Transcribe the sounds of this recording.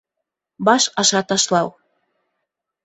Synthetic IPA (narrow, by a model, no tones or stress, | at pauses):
bɑʃɑʃɑt̪ɑʃlɑw